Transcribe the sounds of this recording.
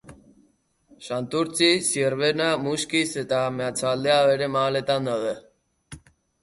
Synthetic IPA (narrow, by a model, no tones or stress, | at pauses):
ʃant̪uɾt͡sʰisieɾβenamuʃkiset̪ameat͡sʰald̪eaβeɾemalet̪and̪aðə